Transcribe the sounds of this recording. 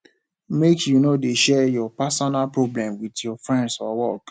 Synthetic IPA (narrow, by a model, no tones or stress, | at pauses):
mekʰjunodeʃɛjɔpasɔnalpɹoblɛ̃mwidjɔfɹɛ̃ndsɔwɔk